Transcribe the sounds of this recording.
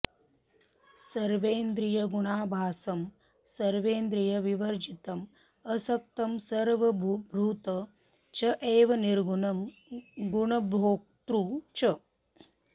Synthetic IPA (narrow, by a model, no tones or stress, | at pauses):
sɐɾʋeːnd̪ɾijɐɡuɳaːbʱaːsɐm | sɐɾʋeːnd̪ɾijɐʋiʋɐɾd͡ʒit̪ɐm | ɐsɐk̚t̪ɐmsɐɾʋɐbʱbʱɾuːt̪ɐ | t͡ʃɐʔeːʋɐniɾɡuɐm | ɡuɳɐboːk̚t̪ɾut͡ʃɐ